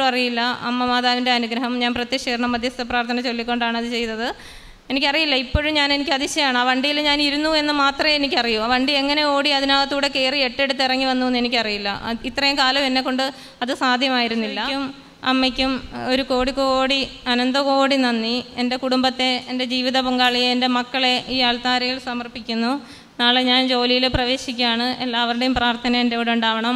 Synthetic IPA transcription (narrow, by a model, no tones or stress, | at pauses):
ɐrijilːɐɐ̰mːɐmaːðaːʋinde̞ɐnuɡɾɐɦɐmɲaːnprɐt̪jikʂiːrɐɳɐmːɐd̪ʱjɐst̪ːɐpraːrt̪ʰɐnɐt͡ɕo̞lːikʲːo̞ɳɖaːɳɐðɨt͡ɕe̞jt̪ːɐðɨ | e̞nikʲːɐrijilːɐipːo̞ːɻumɲaːne̞nikʲːɨɐðiɕɐjaːɳɨɐʋɐɳɖijilɲaːniɾunːue̞nːɨmaːt̪rɐe̞nikʲːɐrijuɐʋɐɳɖie̞ŋːɐne̞o̞ːɽiɐðinaːlɐt̪ːuːɽe̞ke̞ːrie̞ʈːe̞ɽut̪ːirɐŋːiʋɐnːuʋenːenikʲːɨɐrijilːɐ̰it̪ːrɐjumkaːlɐmenːe̞kːo̞ɳɖɨ | ɐðɨsaːd̪ʱjɐmaːjiɾunːilːɐkːum | ɐmːekʲːumo̞ɾuko̞ːɽiko̞ːɽiɐnɐnd̪ɐko̞ːɽinɐnːiende̞kuɽumbɐt̪ːe̞ende̞d͡ʑiːʋiðɐpɐŋɡaːɭijeende̞mɐkːɐɭe̞iːɐɭt̪aːɾijiɭsɐmɐrpikʲːunːu | naːɭeɲaːnd͡ʑo̞ːlijileprɐʋe̞ːɕikʲːaːɳɨe̞̰lːaːʋɐɾuɽe̞jumpraːrt̪ʰɐnɐmendeɽuɳɖaːʋɐɳɐm